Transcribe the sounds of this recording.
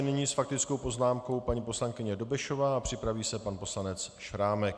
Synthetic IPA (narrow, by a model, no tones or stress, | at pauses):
nɪɲiːsfak̚t̪ɪt͡skowpo̞znaːmko̞wpaɲiːposlaŋkɪɲɛdo̞bɛʃo̞vaːapr̥ɪpɾaviːsɛpanpo̞slanɛt͡sʃɾaːmɛk̚